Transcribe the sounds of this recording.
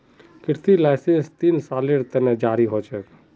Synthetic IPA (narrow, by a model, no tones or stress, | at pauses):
kɪɾt̪ilaɪsẽnst̪iːnsaːleɾt̪əned͡ʒaːɾiɦot͡ʃɛːk